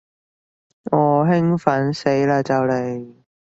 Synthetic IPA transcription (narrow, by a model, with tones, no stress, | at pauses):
ŋɔː˨˧ɦɪ˥ŋfɐ˨˥nse˨˥jlaː˧t͡sɐ˨˧wle˨˩j